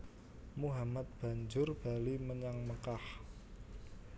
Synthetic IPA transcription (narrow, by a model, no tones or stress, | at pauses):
muɦamat̪̚b̥a̤ɲd͡ʒʊrb̥a̤liməɲaŋməkah